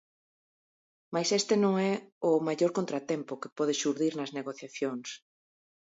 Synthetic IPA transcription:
majsest̪ɪnõŋɛʊmaʎoɾkont̪ɾat̪ɛmpʊkepɔð̞ɪʃuɾðiɾnɐzneɣoθjaθjoŋs

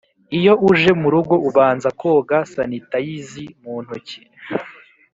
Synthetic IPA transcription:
ijo̞ʔuʒe̞muɾuɡo̞uβaːnzako̞ɡasanitajizimuːn̥huci̥

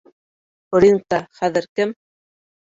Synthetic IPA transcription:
oɾiŋ̚t̪ɑχæðɘ̆ɾkɘm

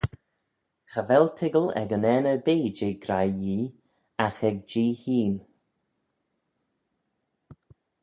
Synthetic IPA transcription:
xəvɛltʰɪɡəlɛ̰ɡənɛnəbeːd͡ʒeːɡɾajjiː | axɛɡ̚d͡ʒiːhiːn

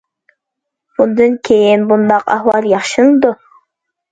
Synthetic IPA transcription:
bund̪uŋkʲʰejinbund̪ɑqɑ̰hwɑlˠjɑχʃɯnulˠd̪ʊ

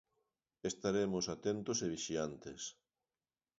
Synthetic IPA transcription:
est̪aɾemosat̪ent̪oseβiʃiant̪es

